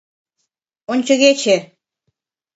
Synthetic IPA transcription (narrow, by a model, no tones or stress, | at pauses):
onʲt͡ɕə̆ɣet͡ɕe